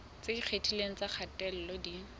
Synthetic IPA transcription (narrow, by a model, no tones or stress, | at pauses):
t͡seik͡xʰetʰileŋ̩t͡saq͡χʰatʼɛl̩lɔdi